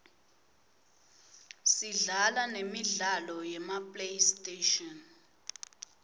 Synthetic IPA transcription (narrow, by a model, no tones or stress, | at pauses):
siɮalanemiɮalɔjɛmapʼlejstʼeʃɔn